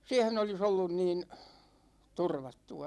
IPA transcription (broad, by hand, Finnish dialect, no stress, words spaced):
siɛhen olis olːun niːn turʋɑtːuɑ